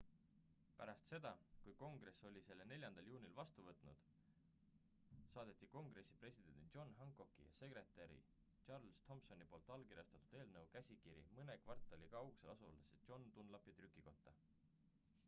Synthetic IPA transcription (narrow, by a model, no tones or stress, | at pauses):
pæɾɑst̪se̞d̪̥ɑkujko̞ŋɡ̥ɾe̞sːo̞lʲise̞lːene̞lʲjɑnd̪ɑljuːnʲilvɑst̪uvɤt̪ˑnṵd̪̥ | sɑːd̪̥e̞t̪ːˑiko̞ŋɡ̥re̞sːi̥pre̞sʲid̪̥e̞njo̞nɦɑŋkˑo̞kːˑijɑ̰se̞kɾe̞t̪ːˑeɾḭ | ɑrlst̪ʰo̞mpso̞nipo̞ːlt̪ːˑɑlkiɾʲjɑst̪ɑt̪ːˑu̥d̪̥e̞ːlnɤwkæsʲikiɾḭmɤne̞kvɑrt̪ːˑɑlʲikɑɑwkselʔɑsṵleset̪jo̞nt̪unlɑpjɑt̪rykːˑiko̞t̪ːɑ